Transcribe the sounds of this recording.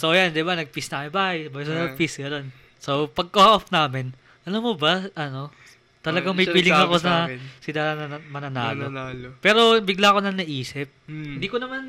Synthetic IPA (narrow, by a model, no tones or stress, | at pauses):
sowjand̪ɪbanɐɡ̚pisnɐamɪnbaːhɐjɐbɐjsɐnɐpisɡɐno̞n | sowpɐɡ̚kohaʔofnaːmɪn | ʔɐlamːobɐʔɐno̞ | t̪ɐlɐɡaŋmɐjpiːlɪŋɐko̞sɐsɪd̪amɐnɐna̰ːloalpɛːɾo̞bɪɡlako̞nɐŋnɐʔiːsɪp̚ɪnd̪iːkonɐman